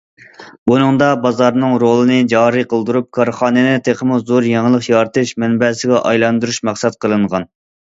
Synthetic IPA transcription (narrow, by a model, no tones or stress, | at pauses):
bunɨŋd̪ɑbɑzɑɾnɨŋɾolˠɨnɨd͡ʒɑːɾɨqʰəlˠd̪uɾup̚kʰɑɾχɑːnɨnɪt̪ʰeχəmuzoɾjeŋlˠəχjɑɾt̪ʰɨʃmɛnbɛsɪɡʲɛʔɑjlˠɑnd̪uɾuʃmæχsɛt̪̚qʰəlˠɨɴʁɑn